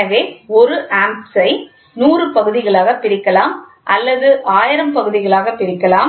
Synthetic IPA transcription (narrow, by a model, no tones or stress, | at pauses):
ɐʋeːɔɾɯʔaːmpsɐɪ | nuːrɯpɐɣɯðɪɣɐɭaːɣɐpɪɾɪkːɐlaːm | ʔɐlːɐðɯʔaːjɪɾɐmpɐɣɯðɪɣɐɭaːɣɐpːɪɾɪkːɐlaː